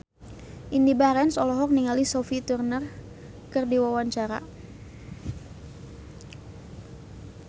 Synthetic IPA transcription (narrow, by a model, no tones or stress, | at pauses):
ʔindibaɾɛnsɔlɔɦɔk̚niŋalisɔfit̪urnər | kərdiwawaɲt͡ʃaɾa̰